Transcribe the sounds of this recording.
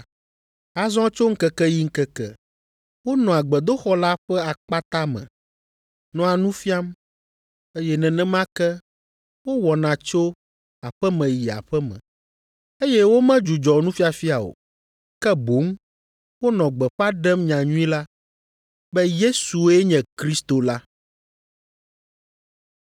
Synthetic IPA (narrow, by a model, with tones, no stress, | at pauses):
a˨zɔ̃˦t͡ʃo˦ŋ̩˦kɛ˦kɛ˦ji˦ŋ̩˦kɛ˦kɛ̰˦ | wo˦nɔ̃˨a˨ɡ͡bɛ˨d̪o˦xɔ˦la˦ɸɛ˦a˨k͡pa˦t̪a˦mɛ̰̃˨ | nɔ̃˨a˨nũ˦fi˦a˦m | e˦jɛ˦nɛ̃˨nɛ̃˦mã˦kɛ˦ | wo˦wɔ˨nã˨t͡ʃo˦ | a˨ɸɛ˦mɛ̃˨ji˨a̰˨ɸɛ˦mɛ̰̃˨ | e˦jɛ˦wo˦mɛ̃˦d͡ʒu˨d͡ʒɔ˨nũ˦fi˦a˨fi˦a˨o̰˨ | kɛ˦bo˨˦ŋ | wo˦nɔ̃˨ɡ͡bɛ˨ɸa˦ɖɛ˦mɲã˨ɲũ˦ĩ˦la˦ | bɛ˦je˦su˨˦ɛ˦ɲɛ̃˨kɾi˦st̪o˨la˦